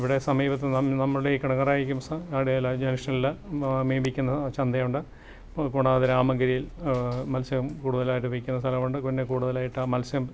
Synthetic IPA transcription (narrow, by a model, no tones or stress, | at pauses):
iʋiɽe̞sɐmiːbɐt̪̬ːɨnɐnɐmːɐɽɽeikɐɽɐŋːɐraːjiɾikʲːumsɐaːɽejɐlːɐd͡ʑɐnɐʂɐlilːɐmiːmbikʲːunːɐt͡ɕɐnd̪ɐjuɳɖɨ | kuɳaːðɾaːmɐŋɡɐɾijilmɐlsɐɐmkuːɽuðɐlaːjiʈːɨpiikʲːunːɐst̪ʰɐlɐmuɳɖɨkonːekuːɽuðɐlaːjiʈːɐmɐlsɐm